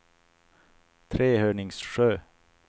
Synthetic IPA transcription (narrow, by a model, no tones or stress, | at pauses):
t̪ʰɾeːhøːɳɪŋsʂøː